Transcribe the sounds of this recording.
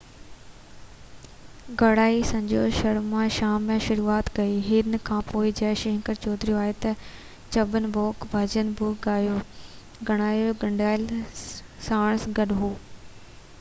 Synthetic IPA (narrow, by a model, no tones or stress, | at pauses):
ɡɐɽaːisɐ̃ɲd͡ʑoːʃɐɽmãʃaːmːẽʃʊɾuːaːt̪kɐiːɦɪnkʰãːpoːɪd͡ʑɐːʃɪɪ̃ŋkəɾt͡ɕɔːd̪ɾijoaːɦet̪ɐ | t͡ɕɐbənɪ̆bɔːkbʱɐd͡ʑənbʊɡajo | ɡʱɐɽ̃aːjoɡɐɳɖaːɪl | saːɽ̃sɡɐɗɦoː